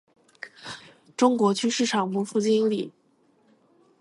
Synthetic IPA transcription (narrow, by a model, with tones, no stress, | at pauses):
ʈ͡ʂʊ˥ŋkwɔ˧˥t͡ɕʰy˥ʂɻ̩˥˩ʈ͡ʂʰɑ˨˩ŋpu˥˧fu˥˩t͡ɕi˥ŋli˨˩˦